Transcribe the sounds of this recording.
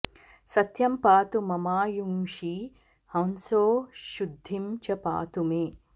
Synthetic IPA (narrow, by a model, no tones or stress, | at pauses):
sɐt̪jɐmpaːt̪umɐmaːjumʂi | hɐnsoːʃud̪ʱːimt͡ʃɐpa̰ːt̪umeː